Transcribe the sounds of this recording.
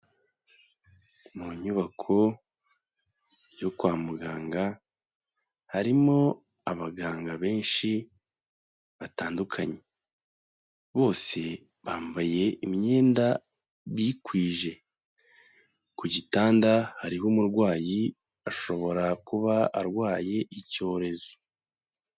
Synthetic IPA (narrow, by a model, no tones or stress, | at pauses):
muɲuβakʰo̞ | jokwaːmuɡaːŋɡa | haɾimo̞ | aβaɡaːŋɡaβe̞ːnʃi | βataːndukʰaɲe̞ | βo̞ːse̞ | βaːmvaje̞imɲe̞ːnda | βiːkwiːʒe̞ | kuɟitaːndahaɾiɦuːmuɾɡwaːji | aʃo̞βo̞ɾakuβaaɾɡwaːje̞ʔico̞ːɾe̞zo